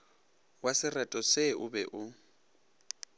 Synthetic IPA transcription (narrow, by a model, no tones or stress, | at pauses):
wasɪrɛtʼɔseʔʊbɛʔʊ